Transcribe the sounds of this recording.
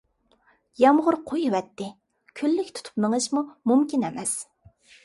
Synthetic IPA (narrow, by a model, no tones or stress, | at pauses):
jɑmʁʊɾqʰojiwɛt̪ːɪ | kʲʰølːykʲt̪ʰu̥t̪ʰu̥pnəŋɨʃmumumkʲinɛmɛs